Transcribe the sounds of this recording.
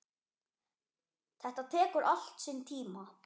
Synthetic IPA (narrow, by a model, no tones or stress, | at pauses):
t̪ʰɛht̪at̪ʰɛːkʏɾʔal̥t̪siːnt̪ʰiːma